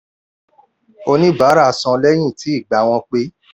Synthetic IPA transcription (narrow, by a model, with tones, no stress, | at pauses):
o˧nĩ˦ba˨˦ɾa˦˧˨sɔ̃˧lɛ˦j̃ĩ˦˨ti˨˦i˦˨ɡ͡ba˨w̃ɔ̃˧k͡pe˦